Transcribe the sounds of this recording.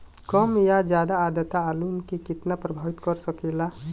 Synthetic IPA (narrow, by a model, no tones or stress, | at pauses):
kɔmjad͡ʒjaːd̪aːd̪ət̪aːlunkikit̪napɾəbʱaʋit̪kɔɾsɔkɛla